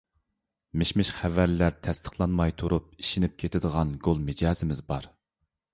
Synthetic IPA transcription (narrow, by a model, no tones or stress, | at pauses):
mɪʃmɪʃχævæɾlæɾt̪ʰɛst̪ʰə̥χlˠɑnmɑjt̪ʰuɾʔup̚i̥ʃinɪp̚kʲʰet̪ʰɪd̪əʁɑnɡolˠmɪd͡ʒɑːzɪmɪzbɑɾ